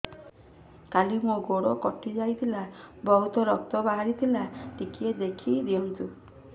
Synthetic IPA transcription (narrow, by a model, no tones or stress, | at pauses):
kalimũɡoɽɔkɔʈid͡ʒajt̪ʰilabɔɦut̪ɔɾɔk̚t̪ɔbaɦaɾit̪ʰilaʈikied̪ekʰid̪iɔnt̪u